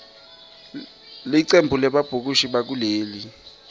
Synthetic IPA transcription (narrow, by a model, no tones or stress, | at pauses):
liǀembʱulɛɓab̥ʱuk̬uʃiɓak̬uleːli